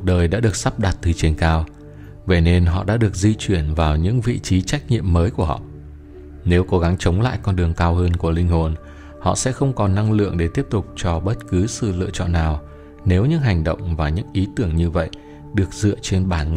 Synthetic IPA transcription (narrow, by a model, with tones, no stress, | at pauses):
t̚ɗəː˨˩jɗa̰ː˧˥ɗɨ˨˩ək̚sa˦˥p̚ɗa˨˩t̚t̪ʰɨ˨˩t͡ɕe˧˩nkaː˧w | ve˧˩ne˧nɦɔ̰˧˨ɗa̰ː˧˥ɗɨ˨˩ək̚zi˧t͡ɕwi˧˩ənvaː˨˩wɲɨ̰˧˥ŋvḭ˧˨t͡ɕi˨˦t͡ɕa˦˥jk̟̚ɲḭ˧˨əmːəː˨˦jku˧˩əhɔ̰˧˨ʔ | ne˨˦wko˨˦ɣa˨˦ŋt͡ɕə˨˦wŋ͡mla̰ː˧˨jkɔ˧nɗɨ˨˩əŋkaː˧whəː˧nku˧˩əlï˧ŋ̟ho˨˩n | hɔ̰˧˨sɛ̰˧˥xə˧wŋ͡mkɔ˨˩nːa˧ŋlɨ̰˧˨əŋɗe˧˩t̪i˦˥əp̚t̪ʊ˨˩k͡p̚t͡ɕɔ˧ɓə˦˥t̚kɨ˨˦sɨ̰˧˨lɨ̰˧˨ət͡ɕɔ̰˧˨nːaː˨˩w | ne˨˦wɲɨ̰˧˥ŋɦa˨˩jŋ̟ɗə̰˧˨wŋ͡mvaː˨˩ɲɨ̰˧˥ŋʔi˨˦t̪ɨ˧˩əŋɲɨ˧və̰˧˨j | ɗɨ˨˩ək̚zɨ̰˧˨ət͡ɕe˧nɓaː˨˩n